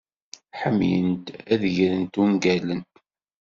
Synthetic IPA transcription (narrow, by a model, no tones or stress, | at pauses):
ħəmːjənt̪æðʝɾənt̪unɡælən